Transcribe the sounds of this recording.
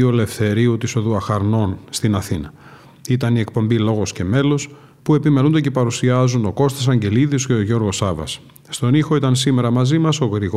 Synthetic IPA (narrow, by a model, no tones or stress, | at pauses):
ole̞fθe̞ɾiut̪iso̞ðuɐxɐɾno̞nst̪inɐθinɐ | it̪ɐnie̞k̚po̞mbilo̞ɣo̞sce̞me̞lo̞s | pue̞pimelund̪ece̞pɐɾusiɐzuno̞ko̞st̪ɐs̬ɐɲɟe̞liðisceoʝo̞ɾɣo̞sɐvɐ̰sː | t̪o̞nixo̞it̪ɐnsime̞ɾɐmɐzimɐso̞ɣɾiɣ